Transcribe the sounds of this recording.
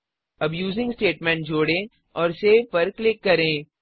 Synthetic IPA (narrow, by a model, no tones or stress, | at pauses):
ɐbjuːzɪ̃ŋɡsʈeːʈmɛ̃ɳʈ̚d͡ʒoːɽẽː | ɔːɾseːpɐɾklɪkːɐɾẽː